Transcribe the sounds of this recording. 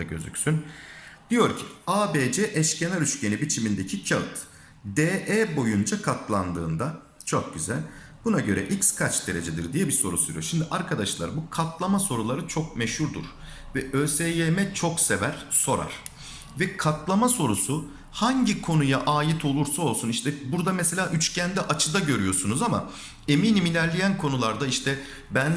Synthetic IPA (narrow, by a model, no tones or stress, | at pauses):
ɟø̞̰zy̰csynd̪̥ijo̞ɾcʰi̥aːbeːd͡ʒɛʔɛʃcenaɾyt͡ʃcenibit͡ʃʰimind̪e̞cʰicʰaɯt̪ | d̪eːʔebo̞jund͡ʒakʰat̪ʰlˠand̪ɯːnd̪a | t͡ʃʰo̞k̚ɟyzæ̰lʲ | bunaɟø̞ɾɛ̰ʔicskʰat͡ʃd̪e̞ɾe̞d͡ʒed̪iɾd̪ijɛbiso̞ɾusyɾḭjoɾʃimd̪iʔaɾkʰad̪aʃlˠa̰ɾbukʰat̪lˠamaso̞ɾulˠaɾɯt͡ʃʰo̞k̚mɛʃhuɾd̪ṵɾ̥ | vɛʔøːsejjemɛt͡ʃʰo̞kse̞væɾ̥so̞ɾa̰ɾ̥ | vɛkʰat̪ʰlˠamaso̞ɾusu | haɲɟikʰo̞nujaʔaːjit̪ʰo̞lˠuɾsao̞lˠsuniʃt̪ʰɛbuɾd̪amɛse̞lʲaːʔyt͡ʃcʰænd̪ɛʔat͡ʃʰɯd̪aɟø̞ɾyjo̞sunuzama̰ | e̞miːnimilʲæɾlʲejænkʰo̞nulˠaɾd̪aiʃt̪ʰɛ | bæn